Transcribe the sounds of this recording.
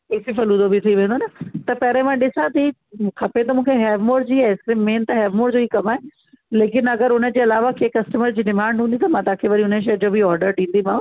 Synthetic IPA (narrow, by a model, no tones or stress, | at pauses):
esifɐlũd̪obʱit̪ʰiʋẽːnd̪onɐt̪ɐpɛːɾẽmãːɗɪsãt̪i | kʰɐpet̪ɐmũːkʰeɦɛːʋmoːʈd͡ʑiːaɪsimẽːnt̪ɐɦɛːʋmoːʈd͡ʑoikɐmaːe | leːkɪnɐɡəɾʊnə̃d͡ʑeːɐlaːʋakʰeːkɐsʈəməɾd͡ʑiːɖɪmãːɳɖɦũnd̪it̪ɐmãt̪ãːkʰeʋɐɾiʊneʃ̬ɐːd͡ʑoːbʱiɔːɾɖəɾɗĩːnd̪imãː